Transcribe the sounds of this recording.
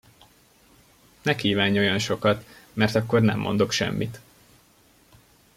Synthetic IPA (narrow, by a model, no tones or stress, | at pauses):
nɛkiːvaːɲo̞jɒnʃo̞kɒt̪mɛrt̪ɒkːo̞rnɛ̰mːo̞̰nd̪o̞kʃɛ̰mːit̪